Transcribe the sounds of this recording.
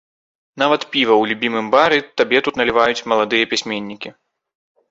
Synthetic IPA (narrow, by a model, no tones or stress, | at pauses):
navɐt̪pʲivɐwlʲubʲimɨmbaɾɨt̪abʲɛt̪ut̪nɐlʲivajut͡sʲmɐlˠad̪ɨjɐpʲisʲmʲenʲːikʲi